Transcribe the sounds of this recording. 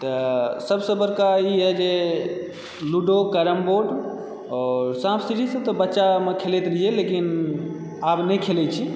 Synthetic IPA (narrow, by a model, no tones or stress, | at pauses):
t̪əsəbsə̃bəɾkaiɦɛd͡ʒe | luɖokəɾəmboɖ | ɔːɾsãbsiʈisə̃t̪ɔbətːʃamekʰelet̪ɾielekin | abnɛjkʰelɛt͡ʃʰi